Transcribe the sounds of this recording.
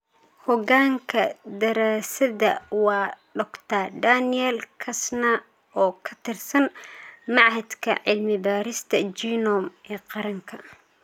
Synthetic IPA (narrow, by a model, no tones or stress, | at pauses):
hɔɣaːŋkʰɐd̪ɐɾaːsɐðɐ̰wɑːɖɔkt̪ʰad̪anɪjɛlkʰɐsna | ɔːkʰɐ̥t̪ʰɪrsɐnmɑʕhɐd̪kʰɐ̰ʕɪlmɪbaːɾɪst̪ʰɐt͡ʃiːnɔmʔɛːqɑɾɐŋkʰɐ